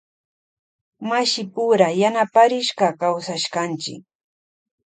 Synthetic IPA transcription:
maʃɪpʊɾajanapaɾɪʃɢɑkawsaʃɢant͡ʃɪ̰k

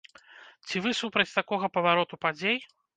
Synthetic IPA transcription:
t͡sʲivɨsupɾɐt͡sʲt̪akɔɣɐpɐvaɾɔt̪upad͡zʲej

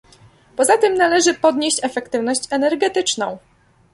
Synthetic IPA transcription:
pɔzat̪ɘmnalɛʐɘpɔd̪ɲeɕt͡ɕɛfɛkt̪ɘvn̪ɔɕt͡ɕɛnɛɾɡɛt̪ɘt͡ʂnɔ̰̃w̃

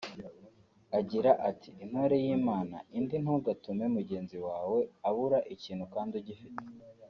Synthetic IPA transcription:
aɟiɾaʔatʰiːn̥hoɾe̞jiːmaːna̰indin̥huɡatume̞muɟe̞ːnziwaːwe̞aβuɾaʔiciːn̥hukaːndiɟifite̥

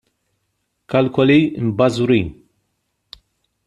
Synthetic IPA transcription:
kɐlkɔliɪ̰mbɐzuɾiːn

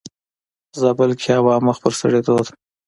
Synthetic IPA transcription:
zabəlkʰɑwɑːməxpəɾsə̰ɽed̪od̪

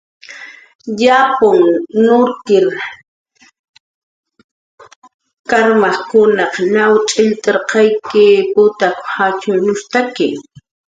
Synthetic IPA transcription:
ʎapʊŋnʊɾk̪ɪɾ | kaɾmɑχkʊnɑqnawt͡ʃʼɪʎt̪eɾqɑjkɪpʊt̪akhat͡ʃʊnʊst̪akɪ

